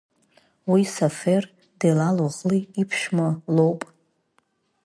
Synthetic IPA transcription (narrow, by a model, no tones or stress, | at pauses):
wisafer | dejlaloʁliipʰʃmalowpʼ